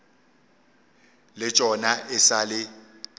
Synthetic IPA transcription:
lɪt͡ʃʼɔnaʔɪsalɪ

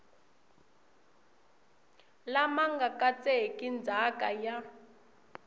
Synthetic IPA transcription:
lamaŋɡakat͡sekʼind͡zʱakaja

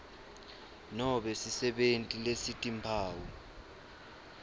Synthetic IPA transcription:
nɔɓɛsisɛɓentʼilesitʼimpʰaːwɔ

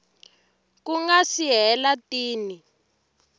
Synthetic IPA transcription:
kuŋɡasiɦɛlatiːni

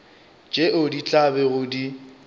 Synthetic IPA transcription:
d͡ʒʼeʔʊdit͡ɬʼabɛɣʊdi

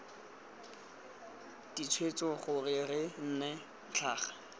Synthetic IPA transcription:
d̥it͡sʰwet͡sɔχʊrɪrɪn̩ːne | t͡ɬʰaːχḁ

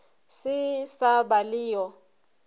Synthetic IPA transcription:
sɪsabalɪːjɔ

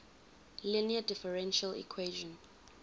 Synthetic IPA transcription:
liniadɪfəɹɛ̃nʃalḭkʰweʒɔ̃n

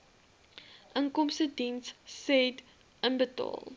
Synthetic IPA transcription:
ʔəŋkɔmstədinsːɛd | ənbətɑ̰ːlˠ

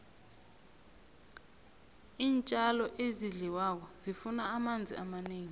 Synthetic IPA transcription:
iːnt͡ʃʼalɔʔeziɮiwak̬ɔzifunaːmand͡zʱḭamaneːŋi

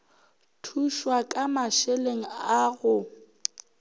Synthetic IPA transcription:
tʰuʃwakʼamaʃeleŋ̩aɣʊ

